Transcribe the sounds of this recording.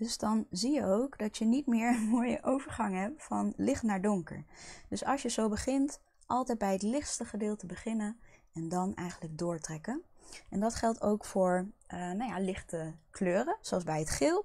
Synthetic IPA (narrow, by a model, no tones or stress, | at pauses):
d̥øzdɑnzijəowkdɑtjənitmɪːɹənmoːjə̰ʔowvəɹχɑŋɦɛp̚tfɑnlɪχtnaːɹdʊŋkə̰ɹd̥ɵsɑlˠʃjəzowbəχɪnt | ʔɑlˠtɛjd̚bɛjɦətlɪχtstəχədɪːlˠtəbəχɪnənɛndɑnɛ̰jχənləɡ̚dʊːɹtrɛkənɛndɑtχɛlˠtʰowkfʊːɹnawjalɪχtəkløːrəsoɔlˠzbɛjɦətχɪlˠ